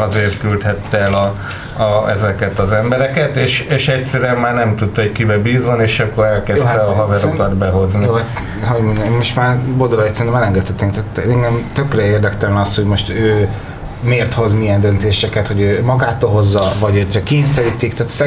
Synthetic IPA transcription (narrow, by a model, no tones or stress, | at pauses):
ɒzeːrt̪kylt̪hɛt̪ːɛɛlɒ | ɒɛzɛkɛt̪ɒzɛmbɛɾɛkɛt̪eːʃeːʃɛct̪sɛɾyɛmːaːrnɛmt̪ut̪ːockibɛbiːzoneːʃɒkːo̞ɾɛlkɛst̪ɛɒɦɒvɛɾokɒd̪bɛɦo̞znijoa | ɦoɟmond̪moʃt̪maːrbold̪olɒjit̪sɛɾinɛmɛlɛŋɡɛt̪hɛt̪ːeŋkt̪aːt̪ɛŋɡɛmt̪ø̞krɛeːrd̪ɛkt̪ɛlɛnɒst̪hoɟmo̞ʃt̪øː | meːrt̪ho̞zmiɛnd̪ønt̪eːʃɛkɛt̪ho̞ɟøːmɒɡaːt̪oːlɦo̞zːɒvɒɟøːt̪ɾɛkeːɲsɛɾiːt̪ikt̪aːt̪zɛ